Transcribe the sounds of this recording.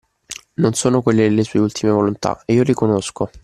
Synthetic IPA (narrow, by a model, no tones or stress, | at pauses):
nonsoːnokwelːed̪elːesuːeult̪ʰimevolont̪a̰eiːoɾikonosko